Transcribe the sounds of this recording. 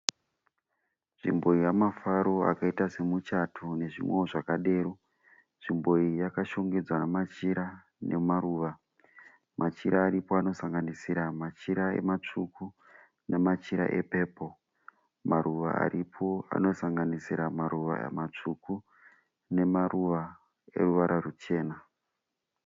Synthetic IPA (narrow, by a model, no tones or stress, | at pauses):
ʐḭmbo̞ijamafaɾo̞a̰kaitase̞mut͡ʃatʰune̞ʐḭmweoʐakaɗe̞ːɾu | ʐ̥imbo̞ijakaʃo̞ŋɡed͡zwanamat͡ʃiɾa | ne̞maɾuːʋa | mʔat͡ʃiɾaːɾipo̞ano̞saŋɡanisiɾamat͡ʃiɾae̞̰mat͡ʂuku | nemat͡ʃiɾa̰ʔe̞pe̞ːpo̞ | maɾuʋa̰a̰ɾʔipʰoa̰no̞saŋɡanisiɾamaɾuʋa̰ḛmat͡ʂuku | ne̞maruʋa | e̞̰ruʋaɾʔarut͡ʃe̞ːna